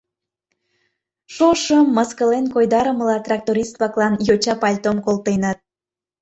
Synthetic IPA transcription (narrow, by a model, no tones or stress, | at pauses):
ʃoʃəmːəskəlenkojd̪ɑɾəməlɑt̪rɑk̚t̪oɾist̪βɑklɑnjot͡ɕɑpɑlʲt̪omkolt̪enət̪̚